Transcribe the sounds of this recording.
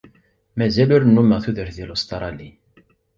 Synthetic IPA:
mæzæluɾnːumːəʁθuðəɾðilust̪ɑɾˤɑli

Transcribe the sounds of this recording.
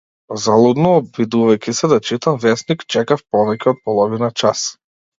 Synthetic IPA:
zalˠud̪nɔːbvid̪uvajkʲisɛd̪at͡ʃit̪amvɛsnikt͡ʃɛkafpɔvɛcʲɛɔt̪̚pɔlˠɔvinat͡ʃas

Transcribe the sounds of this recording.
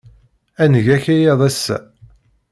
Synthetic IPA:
ænəʝæçæjɑðˤæsːæ̰

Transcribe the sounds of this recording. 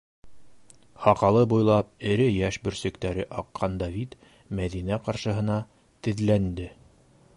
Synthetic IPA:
hɑqɑlˠɤbujlˠɑp̚ɘ̆ɾɘjæʃbɵ̆ɾsɘ̆kt̪æɾɘʔɑqʰːɑnd̪ɑvʲit̪ | mæðinæqɑɾʃɤ̆ɦɤ̆nɑ | t̪ɘ̆ðlænd̪ɘ

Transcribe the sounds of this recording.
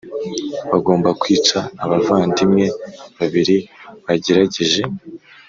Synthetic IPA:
βaɡo̞ːmbakwiːt͡ʃaːβavaːndimŋe̞βaβiɾiβaɟe̞ɾaɟe̞ʒe̞

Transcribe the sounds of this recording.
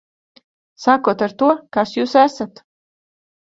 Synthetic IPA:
sakuɔt̪aɾt̪uɔkasjuːsæsat̪

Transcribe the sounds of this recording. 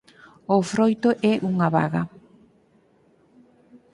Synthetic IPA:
ʊfɾojt̪ʊʔɛʔuŋaβa̰ɣɐ

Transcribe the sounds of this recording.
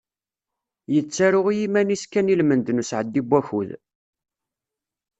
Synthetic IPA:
jət͡sːaɾʊʁijimæniskːænilmənd̪nusʕəd̪ːibʷːæçṵð

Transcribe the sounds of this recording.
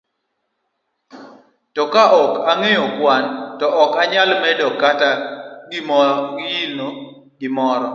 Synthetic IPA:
tɔkaʔɔkaŋejokwantɔʔɔkaɲalmɛdɔkataɡɪmɔɡjino | ɡɪmɔɾɔ

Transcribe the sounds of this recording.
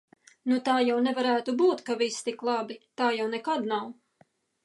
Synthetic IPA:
nut̪aːjawnɛvaɾæːt̪ubuːt̪kavist̪iklˠabit̪aːjawnɛkad̪naw

